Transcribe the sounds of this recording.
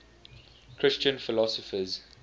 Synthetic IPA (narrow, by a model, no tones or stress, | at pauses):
kʰɹɪst͡ʃə̃nfɪlɔsɔfəz